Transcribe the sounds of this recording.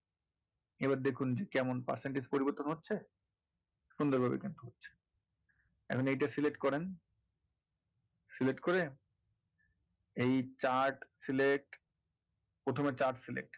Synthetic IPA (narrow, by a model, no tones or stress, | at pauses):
ebaɾd̪ekʰund͡ʑekɛmonpa̰ɾseɳʈid͡ʑpoɾiboɾt̪ːonɦotːɕʰe | ʃund̪oɾbʱabḛkint̪uɦotːɕʰe̥ | ɛ̰kʰonejʈasilek̚ʈkɔɾen | silek̚ʈkoɾe | ejt͡ɕaɾʈsilek̚ʈ | pɾot̪ʰomet͡ɕaɾʈsilḛk̚ʈ